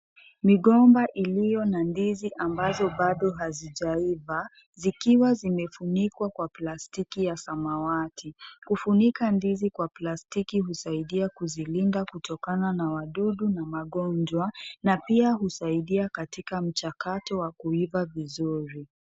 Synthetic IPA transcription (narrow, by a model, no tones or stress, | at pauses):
miɠɔmbaʔilijɔnandiziʔambazɔɓaɗɔɦaziʄaiva | zikiwazimɛfunikwakwaplastikijasamawatʰikufunikandizikwaplastikihusaiɗiakuzilindakutʰɔkananawaɗuɗunamaɠɔnd͡ʒwanapiahusaiɗiakatikam̩t͡ʃakatɔwakuivavizuɾi